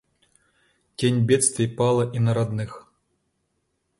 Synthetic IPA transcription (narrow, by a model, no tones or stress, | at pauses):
kʲenʲbʲɛt̪st̪vʲipalˠɐʔinɐɾad̪nɨx